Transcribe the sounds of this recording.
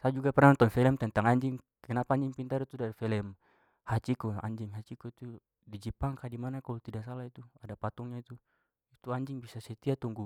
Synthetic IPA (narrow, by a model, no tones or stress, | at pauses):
sajad͡ʒuɡapɛrnaɔnt̪ɔnfɛlɛmt̪ɛnt̪aŋaɲd͡ʒiŋ | kɛnapaːɲd͡ʒiŋpint̪aɾit̪udaɾifɛlɛm | hat͡ʃikɔa̰ɲd͡ʒiŋɦat͡ʃikɔit̪u | did͡ʒipaŋkadimanakalɔt̪idasalait̪uadapat̪ɔŋɲait̪u | it̪uaɲd͡ʒiŋbisasɛt̪iat̪uŋɡu